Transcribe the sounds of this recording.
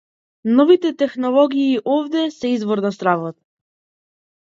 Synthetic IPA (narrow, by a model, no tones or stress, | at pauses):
nɔvit̪ɛt̪ɛxnɔlˠɔɡiːʔɔvd̪ɛsɛizvɔɾnast̪ɾavɔt̪̚